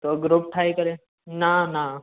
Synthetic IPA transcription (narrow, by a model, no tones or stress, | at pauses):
t̪oɡɾop̚ʈʰaikəɾe | nana